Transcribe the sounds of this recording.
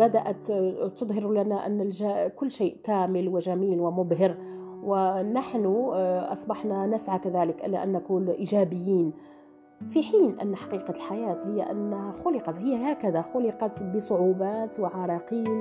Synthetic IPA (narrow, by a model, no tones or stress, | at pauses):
bad̪aʔat̪t̪ʊd̪ˤɦɪɾlanaʔa̰nːlʒakʊlːʃeːʔkæːmɪlwɪʒæmiːlwɪmʊbhɪɾ | wɪnaħnʊʔɑ̰sˤbɑħnanasʕakaðæːlɪkʔɪ̰lːa̰ʔæ̰nːakʊlʔiʒæːbɪjːiːn | fiħiːnʔa̰nːħɑ̥qiːqɑlħajaːt̪hɪjːaʔa̰nːhæxʊlɪqɑt̪hɪjːahaːkæðaxʊlɪqɑt̪bəsˤʊʕuːbaːt̪wɪʕɑɾˤɑqiːn